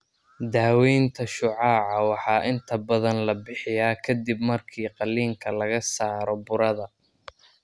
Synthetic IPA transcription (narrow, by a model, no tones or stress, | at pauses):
d̪aːwɛjnt̪ʰɐʃʊʕɑːʕɑwɑħɑːʔɪnt̪ʰɐbɐðɐnlɐbɪħɪjaːkʰɐd̪ibmɐrkʰiːqɑlːiːŋkʰɐlɐɣɐsaːɾɔbʊɾɐðɐ